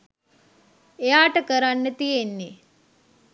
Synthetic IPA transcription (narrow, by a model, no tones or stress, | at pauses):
ejaːʈəkəɾanːet̪ijenːe